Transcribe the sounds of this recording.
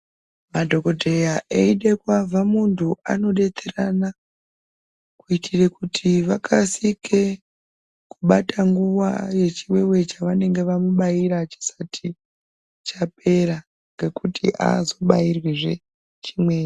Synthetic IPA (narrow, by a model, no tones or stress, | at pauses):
madʱo̞ko̞dʱejaʔeiɗekwavʱamuntʰuʔa̰no̞ɗe̞terana | kuitʰirekutʰiʋakʰasikʰe̞ | kuɓatʰaŋɡuwa̰je̞t͡ʃiwe̞we̞t͡ʃaʋane̞ŋɡe̞ʋamuɓajiɾat͡ʃi̥sḁtʰi | t͡ʃap̚e̞ɾa | ŋɡe̞kutʰḭʔa̰zo̞ɓairwiʐe̞ | t͡ʃi̥mwe̞ːe